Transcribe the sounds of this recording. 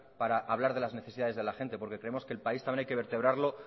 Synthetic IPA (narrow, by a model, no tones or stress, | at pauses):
paɾaʔaβlaɾðe̞lazne̞θeiðaðe̞zðelaxe̞nt̪e̞po̞ɾke̞kɾe̞emoske̞ːlpaist̪amjeajke̞βe̞ɾt̪e̞β̞ɾaɾlo̞